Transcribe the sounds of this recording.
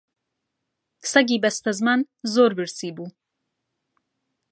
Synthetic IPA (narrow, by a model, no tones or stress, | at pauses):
sɐɡiːbɐst̪ɐzman | zoːɾbɨɾsiːbuː